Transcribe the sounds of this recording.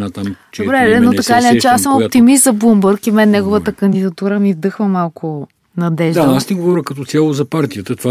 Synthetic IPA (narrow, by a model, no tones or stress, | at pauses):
at̪amd̪obɾɛɛnot̪ɐkailinɐt͡ʃɛasəmopt̪imist̪zɐblˠumbəɾkimɛnːɛɡovət̪əkɐnd̪id̪ɐt̪uɾəmivd̪ɤxvəmalˠkʰʊ | nɐd̪ɛʒd̪aasniɡovɔɾʲjəkɐt̪ɔt̪sʲjalˠozɐpaɾt̪ijət̪ət̪va